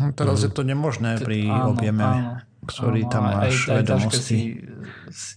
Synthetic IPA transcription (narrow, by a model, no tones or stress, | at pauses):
t̪ɛɾazjɛt̪ɔɲɛmɔʒnɛːpɾiɔbjɛmɛ | kt̪ʰɔɾiːt̪amːaːʃʋɛd̪ɔmʃɔsci